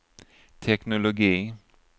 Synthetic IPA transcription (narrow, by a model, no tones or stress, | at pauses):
t̪ʰɛknʊlʊɡiː